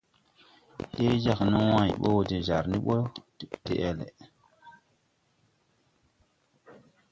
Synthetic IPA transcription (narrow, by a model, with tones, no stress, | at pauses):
he˦d͡ʒa˨kno˦wã˨i˨ɓo˦wde˨za̰˨ɾni˦ɓo˦˨te˨ʔe˨lḛ˨